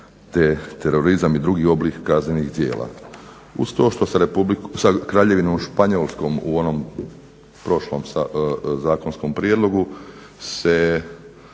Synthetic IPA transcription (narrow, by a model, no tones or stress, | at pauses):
t̪et̪eɾo̞ɾizamid̪ɾuɡiːo̞blikːazɲenixd̪je̞̰ːlʔa̰ | ust̪o̞ːʃt̪osaɾepblisakɾaːʎe̞ʋinomʃpaɲolˠsko̞ːmṵo̞no̞m | pɾo̞ʃlo̞ːmazaːko̞nsko̞mpɾjed̪lo̞ɡu | se